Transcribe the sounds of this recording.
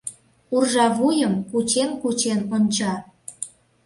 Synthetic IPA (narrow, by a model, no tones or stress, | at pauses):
urʒɑβujəmkut͡ɕenkut͡ɕenonʲt͡ɕɑ